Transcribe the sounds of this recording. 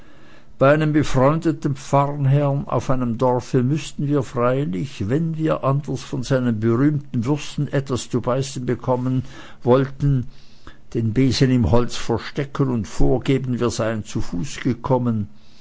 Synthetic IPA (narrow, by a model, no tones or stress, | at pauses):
b̥aɪaɪnəmbəfʁ̥ɔʏndətn̩p͡faʁnɦɛʁna̰ʊfaɪnəmdɔʁfəmʏstn̩viːɐfʁ̥aɪlɪçvɛnviːɐʔandɐsfɔnzaɪnənbəʁyːmtn̩vʏɐstn̩ʔɛtv̥ast͡subaɪsn̩bəkʰɔmən | vɔltn̩ | d̥eːnbeːzənɪmhɔlt͡sfɛɐʃtɛkʰənʊntfoːɐɡeːbn̩viːɐzaɪənt͡sufuːsɡ̥əkʰɔmən